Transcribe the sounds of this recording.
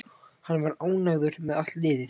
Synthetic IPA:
hanːvaɾaːwnaɣðʏɾ̥mɛðat̪ɪːðɪ

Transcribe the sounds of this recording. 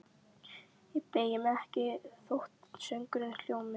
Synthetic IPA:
ɪpejɪmɛhcɪθoht̪sœŋkʏɾɪnl̥joːwmɪ

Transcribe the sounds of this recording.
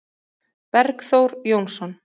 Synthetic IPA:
pɛɾkθowɾjownsɔn

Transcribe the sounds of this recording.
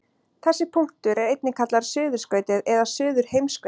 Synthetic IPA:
θɛsːɪpʰuŋ̥t̪ʏɾɛɾejt̪nɪkʰat̪laɾ̥sʏːðʏɾ̥skœːɥt̪ɪðɛðḁsʏːðʏɾ̥hejmskː

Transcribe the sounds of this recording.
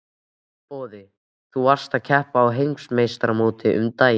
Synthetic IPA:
pɔːðɪ | θuvar̥st̪aðcʰɛhpaːwɦejŋsmejst̪ɾamoːt̪ɪʔʏ̰mt̪aːj

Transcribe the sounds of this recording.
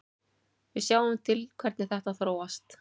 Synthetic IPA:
vɪðsjaːwʏmt̪ʰɪlkʰvɛɾt̪nɪθɛht̪aðθɾoːwast̪

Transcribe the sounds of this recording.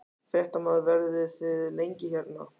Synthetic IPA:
fjɛht̪amaðvɛɾðɪθɪðlejɲcɪçɛt̪na̰

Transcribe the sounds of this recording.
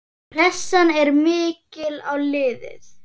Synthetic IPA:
rɛsːanɛɾmɪːcɪlawlɪːðɪ̰θ

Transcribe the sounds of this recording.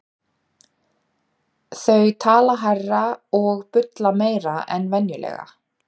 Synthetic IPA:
θœɥt̪ʰaːlaɦarːaɔɣpʏt̪lameːjɾaɛnvɛnjʏlɛ̰ːɣa̰

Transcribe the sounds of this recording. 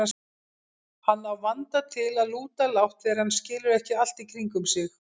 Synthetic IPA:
a | hanːawvant̪at̪ʰɪlaðluːt̪alawht̪fɛɾhanːscɪːlʏɾɛhcɪal̥t̪ikɾiŋkʏmsɪx

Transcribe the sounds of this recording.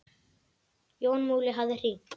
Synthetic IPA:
joːwnmuːɣlɪɦavðɪr̥iː

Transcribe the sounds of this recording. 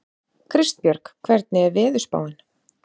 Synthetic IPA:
kʰɾɪst̪̚pjœɾkkʰvɛɾt̪̚nɪɛɾvɪːðʏspa̰ːwɪn

